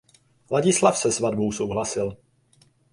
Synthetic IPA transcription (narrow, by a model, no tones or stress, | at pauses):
laɟɪslafsɛzvadbo̞wso̞wɦlasɪl